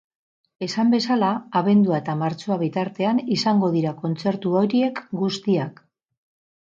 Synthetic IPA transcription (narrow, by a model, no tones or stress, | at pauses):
e̞sambe̞salaːβe̞nd̪uae̞t̪amaɾt͡soaβ̞it̪aɾt̪e̞anisaŋɡo̞ðiɾako̞nt͡se̞ɾt̪uo̞ɾie̞kɡust̪iak